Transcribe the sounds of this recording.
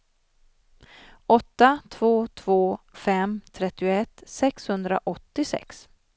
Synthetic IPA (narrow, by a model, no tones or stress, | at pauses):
ɔt̪ːat̪ʰv̥oːt̪ʰv̥oːfɛmt̪ʰɾɛt̪ːɪʊɛt̪ːsɛkshɵnd̪ɾa̰ʔɔt̪ːɪsɛ̰ks